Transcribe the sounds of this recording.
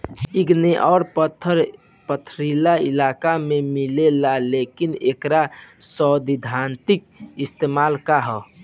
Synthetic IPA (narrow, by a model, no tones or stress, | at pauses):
iɡneʔɔːɾpət̪ʰːəɾ | pət̪ʰɾilailakamemilelalekinekɾasɔd̪id̪ʱant̪ik̚ist̪emalkaɦɔ